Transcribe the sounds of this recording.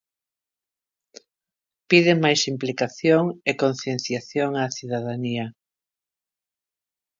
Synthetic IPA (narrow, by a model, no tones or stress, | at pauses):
piðemajsimplikaθjoŋekonθjenθjaθjoŋaθiðaðaniɐ